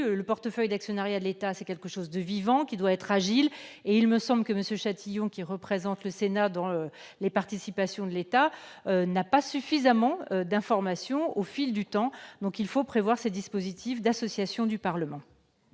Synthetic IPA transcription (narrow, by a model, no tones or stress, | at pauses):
ləpɔʁt̪əfœjd̪aksjɔnaʁjad̪əlet̪asɛkʲɛlkəʃozd̪əvivɑ̃kʲid̪waɛt̪χaʒileilməsɑ̃bləkəməsjøʃat̪ʰijɔ̃kʲiʁəpχezɑ̃t̪ləsenad̪ɑ̃ø | lepaʁt̪isipasjɔ̃d̪əlet̪aønapasyfizamɑ̃ød̪ɛ̃fɔʁmasjɔ̃ofild̪yt̪ɑ̃d̪ɔ̃kilfopχevwaʁsed̪ispozit̪ʰifd̪asɔsjasjɔ̃d̪ypaʁləmɑ̃